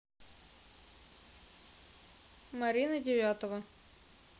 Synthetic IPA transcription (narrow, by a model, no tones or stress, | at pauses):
mɐɾʲinədʲɪvʲat̪əvə